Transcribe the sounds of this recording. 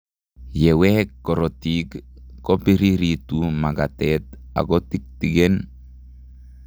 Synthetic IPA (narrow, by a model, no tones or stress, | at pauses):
jewehekːoɾot̪ikːopiɾiɾit̪umaɡat̪et̪̚a̰ɡot̪ik̚t̪iɡen